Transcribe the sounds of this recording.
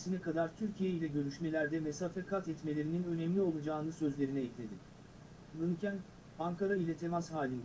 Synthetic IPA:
sinɛkad̪aɾt̪ʰyɾcʰijeilʲɛɟø̞ɾyʃme̞lʲæɾd̪ɛmesafɛkʰat̪ɛt̪me̞lʲe̞ɾininø̞nɛmlʲio̞lˠud͡ʒaːɯnɯsø̞zlʲe̞ɾinɛɛclʲe̞d̪i | lɯncæn | aŋkʰaɾailʲɛt̪ʰe̞mashaːlʲind̪

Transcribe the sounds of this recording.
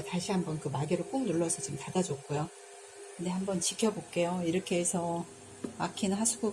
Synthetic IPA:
taɕʰiɦambʌnkɯmaɡeɾɯɭk͈omnuɭːʌsʰʌt͡ɕimtadad͡ʑok͈ujo | kɯndehambʌnt͡ɕikʰjʌbok͈e̞joiɾʌkʰe̞esʰʌ | makʰinɯɦasʰuɡo

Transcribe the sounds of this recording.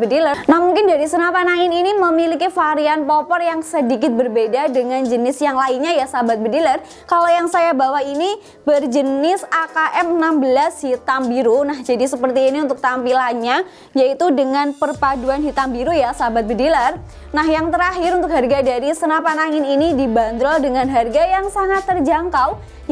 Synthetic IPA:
bədilənahmuŋkɪnd͡ʒadisənapanaŋɪniniməmilikifaɾianpɔpɔrjaŋsədikɪt̪̚bərbedadəŋand͡ʒənɪsjaŋlainɲajasabat̪̚bədilər | kalojaŋsajabawaini | bərd͡ʒənɪsakaʔɛmənambəlashit̪ambiɾunahd͡ʒadisəpərt̪iːniunt̪ʊk̚t̪ampilaɲa | jait̪udəŋanpərpaduanɦit̪ambiɾujasabat̪̚bədilar | nahjaŋt̪əɾaɦɪɾunt̪ʊk̚ɦarɡadaɾisənapanaŋɪninidiband̪ɾɔdəŋanɦarɡajaŋsaŋat̪ːərd͡ʒaŋkaw

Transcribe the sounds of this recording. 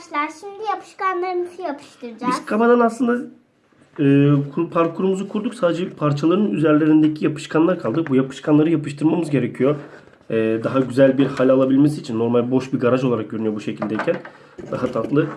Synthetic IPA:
lˠaɾʃimd̪ijapʰɯ̥ʃkanlˠaɾɯmɯzujapʰɯ̥ʃt̪ɯɾd͡ʒbaiz̥kʰamad̪anaslˠɯnd̪a | ɯːkʰuɾpʰaɾkʰuɾumuzukʰuɾd̪uksaːd̪ed͡ʒɛpʰaɾt͡ʃʰalˠaɾɯnyzæɾlʲe̞ɾind̪e̞cʰijapʰɯ̥ʃkʰanlˠaɾkʰalˠd̪ɯk̚bujapʰɯ̥ʃkʰanlˠaɾɯjapɯʃt̪ʰɯɾmamɯzɟe̞ɾe̞cʰijoɾ | ɛːd̪aɦaɟyzælʲbiɾhalʲalˠabilʲmesiːt͡ʃʰinːo̞ɾmalʲbo̞ʃbiɡaɾaʒoaɾak̚jøɾynyjo̞buʃe̞cʰilʲd̪eicʰæn | d̪aɦat̪ʰat̪lˠɯ

